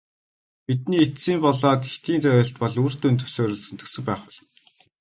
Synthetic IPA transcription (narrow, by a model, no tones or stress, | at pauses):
pit̪̚niːet̪siːmpɔɮɔːt̪i̥t̪iːnt͡sœjʊ̆ːɬt̪̚pɔɮur̥t̪ɵnt̪ʰɵ̥wsoːɾɵ̆ɮsə̆nt̪ʰɵ̥sɵ̆ŋpæːχwʊ̆ɮ̆n